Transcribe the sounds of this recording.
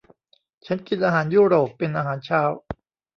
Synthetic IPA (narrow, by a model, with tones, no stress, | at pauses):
t͡ɕʰa˦˥nki˨˧˩nʔaː˧ɦaː˩˦njuː˥˩ɾoː˨˩pːe˧nʔaː˧ɦaː˩˦nt͡ɕʰaː˦˥˩w